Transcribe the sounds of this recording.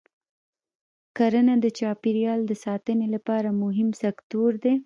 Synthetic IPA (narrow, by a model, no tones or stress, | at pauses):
kaɾənad̪ət͡ʃɑpiɾjɑld̪əsɑt̪ənelapɑɾamʊɦɪmsakt̪oɾd̪e